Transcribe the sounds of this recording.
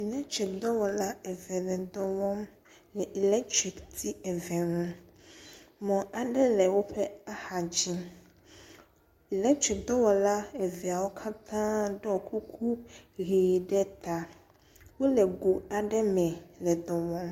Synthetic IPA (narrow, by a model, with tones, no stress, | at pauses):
i˨lɛ˦tʰɾi˨k̚d̪ɔ˦wɔ˨la˦ɛ˨vɛ˨lɛ̃˨d̪ɔ˦wɔ̃˦m | lɛ˨ʔi˨lɛ˦ktʰɾi˨ktʰi˦ɛ˨vɛ̃˨nʊ̃˦ | mɔ̃˨ʔa˨ɖɛ˦lɛ˨wʊ˦pʰɛ˦a˦ha˨d͡ʑi˦ | i˨lɛ˦k̚tʰɾɪ˨k̚d̪ɔ˦wɔ˨la˦ɛ˨vi˨a˨wo˦kʰa˦t̪ʰãː˦dɔ˨kʰu˦kʰu˦ɣiː˨dɛ˦t̪ʰa˨ | wo˦lɛ˨ɡu˨a˨dɛ˦mɛ̃˨lɛ˨d̪ɔ˨wɔ̃˦m